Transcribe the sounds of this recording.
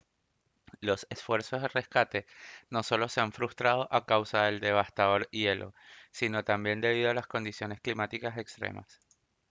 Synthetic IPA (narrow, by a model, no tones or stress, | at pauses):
lo̞se̞sfwe̞ɾso̞zðere̞skat̪e̞no̞so̞lo̞se̞aɱfɾust̪ɾað̞o̞ʔakawsaðe̞ld̪e̞β̞ast̪aðo̞ɾie̞lʔo̞̰sino̞t̪ambje̞nd̪e̞β̞ið̞oalasko̞nd̪isjo̞ne̞sklimat̪ikase̞kst̪ɾḛma̰s